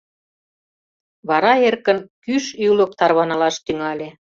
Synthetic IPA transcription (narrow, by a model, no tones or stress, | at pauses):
βɑɾɑerkə̆nkyʃylə̆k̚t̪ɑrβɑnɑlɑʃt̪yŋɑlʲe